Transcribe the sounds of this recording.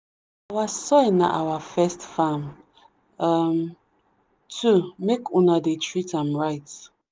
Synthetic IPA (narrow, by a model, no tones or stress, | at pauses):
awasɔna̰ʔawafɛstfãm | am | tʰumekʰũnadetʰɹitãmɹaɪt